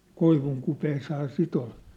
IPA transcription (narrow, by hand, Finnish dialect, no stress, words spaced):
koiʋuŋkupeːshɑː sit ol